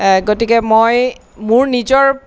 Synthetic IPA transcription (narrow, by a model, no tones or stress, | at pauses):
ɡotikɛmoj | mʊɹnizɔɹ